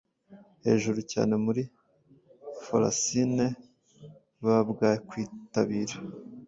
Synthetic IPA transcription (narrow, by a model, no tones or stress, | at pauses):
he̞̰ːʒuɾuca̰ːne̞muɾi | fola̰sine̞ | βabɡaːjekwiːtaβiːɾa